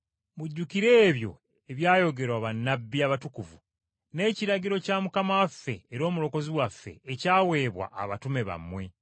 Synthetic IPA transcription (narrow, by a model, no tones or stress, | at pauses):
muɟːukiɾe̞ːβjo̞̰ | e̞βjaːjo̞ɡe̞ɾwaβanːabːiaβatukuvu | ne̞ːciɾaɟiɾo̞camukamaafːe̞ːɾo̞ːmuɾo̞ko̞ziwafːe̞̰ːcaːwe̞ːβwa̰ʔːβatume̞βa̰mwe̞